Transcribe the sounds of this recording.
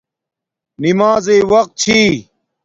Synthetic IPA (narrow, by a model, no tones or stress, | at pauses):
nimaːzeːwɐq̚t̪̚t͡ɕʰiː